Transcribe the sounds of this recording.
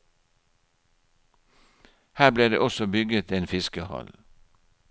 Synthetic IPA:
hæːbleːd̪ḛːʔɔsɔbʏɡət̪ʰeːnfɪskəhɑ̰l

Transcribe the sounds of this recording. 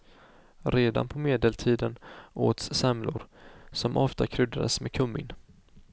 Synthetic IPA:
ɾeːd̪a̰npʰɔmeːd̪ɛlt̪ʰiːd̪ənʔoːt̪ssɛmlʊɾsɔmʔɔft̪akʰɾɵd̪ad̪əsmɛkʰɵmːɪ̰n

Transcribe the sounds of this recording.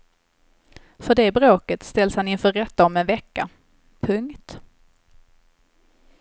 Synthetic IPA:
fœɖɛbɾoːkət̪st̪ɛlshanɪnfœːɾɛt̪ːaɔmɛnvɛkːa | pʰɵŋkt̪

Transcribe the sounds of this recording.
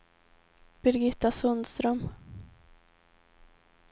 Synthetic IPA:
b̥ɪɾɡɪt̪ːasɵnd̪st̪ɾœm

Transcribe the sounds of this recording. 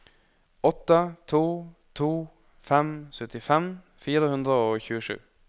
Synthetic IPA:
ɔt̪ːət̪ʰuːt̪ʰuː | fɛmsœt̪ɪfɛm | fiːɾəhʉnd̪ɾəoːçʉːəʂʉ̰ː

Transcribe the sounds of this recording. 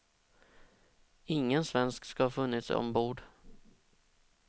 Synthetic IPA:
ɪŋːənsvɛnskskahɑːfɵnːɪt̪sɔ̰mbuːɖ

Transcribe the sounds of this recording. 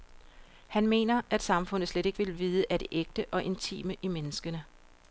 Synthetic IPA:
hænme̝̰ːnɐʔæd̥sɑ̈mfɔ̽n̰ð̩sleɾe̝ɡ̥əʋe̝lʋiːðˠəʔæd̥e̝ʔeɡ̥̚d̥əʔɒ̽ʔe̝nt͡sʰḭːməʔimenəsɡ̥ənə

